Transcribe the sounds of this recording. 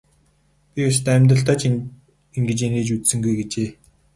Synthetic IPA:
pʲiat͡ɕt̪æmʲt̪rə̆ɬt̪aːt͡ɕ | iŋɡɘ̆t͡ɕeneːt͡ɕut͡ssɘ̆ŋɡujɡet͡ɕeː

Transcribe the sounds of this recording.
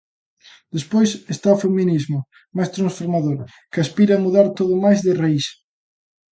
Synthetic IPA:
d̪espojsest̪aʊfeminizmʊ | majst̪ɾansfoɾmaðoɾ | kɪaspiɾɐːmuðaɾt̪oðʊmajzðɪrais

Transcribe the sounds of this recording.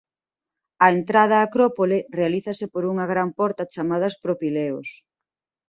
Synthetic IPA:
ɐent̪ɾað̞ɐːkɾopolerealiθɐsɪpoɾuŋɐɣɾampɔɾt̪ɐt͡ʃamað̞ɐspɾopileo̰s

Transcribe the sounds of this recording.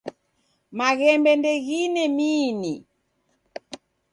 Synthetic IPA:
maɣɛmbɛndɛɣinɛmiːni

